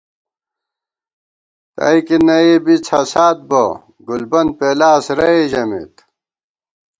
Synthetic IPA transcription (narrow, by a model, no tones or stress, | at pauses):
t̪ɐ̰ikinɐebit͡sʰɐsaːt̪̚bo̰ | ɡulbɐn̚peːlaːsɾɐeʑɐmḭt̪